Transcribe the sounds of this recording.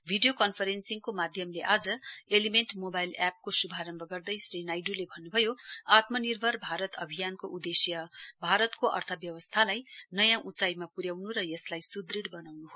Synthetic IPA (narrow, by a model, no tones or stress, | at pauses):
bʱiɖijokʌnpʰʌɾensiŋkomad̪ʱjʌmleʔad͡zʌelimenʈmobajlap̚kosubʱaɾʌmbʱʌɡʌrd̪ʌjsrinajɖulebʱʌnːubʱʌjoat̪mʌnirbʱʌrbʱaɾʌt̪ʌbʱijankoʔud̪esjʌbʱaɾʌt̪koʔʌ̰rt̪ʰʌbjʌwʌst̪ʰalajnʌjãʔut͡sajmapuɾjawnuɾʌjeslajsud̪riɽbʌnawnuɦo